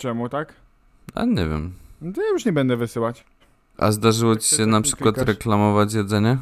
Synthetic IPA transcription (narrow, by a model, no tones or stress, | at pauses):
t͡ʃɛmut̪ak | a̰ɲɛ̰vʲɛ̰mt̪ajuʂɲɛbɛnd̪ɛvɘsɘwat͡ɕ | ʔa̰zd̪aʐɘwɔt͡ɕi̥ɕɛnapʂɘ̥kwat̪ɾɛklamɔvat͡ɕjɛd̪zɛɲɛ